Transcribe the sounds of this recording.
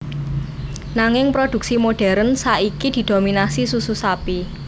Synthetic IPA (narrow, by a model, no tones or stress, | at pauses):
naŋɪŋpɾod̪̥ṳk̚simoɖ̥ɛ̤ɾənsaʔikid̪̥i̤d̪̥ominasisususapi